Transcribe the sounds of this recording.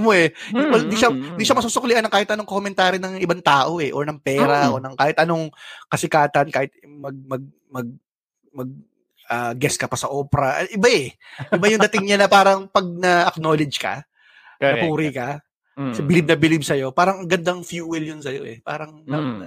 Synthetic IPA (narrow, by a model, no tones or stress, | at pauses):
ɐmoɛwɐlɪnd̪iʃɐɪnd̪iʃɐmɐsuːsʊkʊlɪanːɐŋkaːhɪt̪ʔɐnoŋkoomɛnt̪aːɾinɐŋʔɪbaŋt̪aːʔo̞ʔɛʔonɐŋpɛːɾɐʔo̞nɐŋkaːhɪt̪ʔɐno̞ŋkɐsɪkaːt̪ɐnkaːhɪt̪̚mɐɡ̚mɐɡ̚ | mɐɡ̚ | mɐɡ̚ | ɐːɡɛskɐpɐsɐʔoːpɛɾɐʔʔɪbaɛʔɪbajʊŋd̪ɐt̪ɪŋɲanɐpaːɾɐŋpɐɡ̚nɐʔɐknoːlɪd͡ʒkɐ̰ | ɐpuːɾɪkɐ | sɐbɪlib̚nɐbɪlibsɐjo̞paːɾɐŋɐɡɐnd̪ɐŋfjuːwɛljonsɐjo̞̰ʔɛ̰pa̰ːɾɐŋnɐ